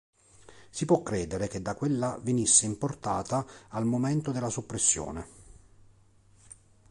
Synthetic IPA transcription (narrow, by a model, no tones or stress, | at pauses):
sipwɔkːɾɛːd̪eɾeked̪ːakːwelːavenisːeimport̪aːt̪aːlmoment̪od̪elːasopːɾesːjo̰ːne